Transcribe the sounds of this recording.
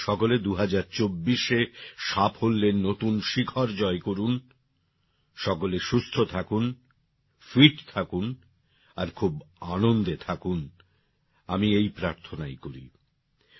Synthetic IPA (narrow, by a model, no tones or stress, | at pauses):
ʃɔkoled̪uɦad͡ʑaɾt͡ɕobːiʃeʃapɦolːennːot̪unʃikʰɔɾd͡ʑɔekoɾun | ʃɔkoleʃust̪ʰot̪ʰakun | fiʈt̪ʰakun | aɾkʰubanond̪et̪ʰakun | amiejpɾaɾt̪ʰonajkoɾḭ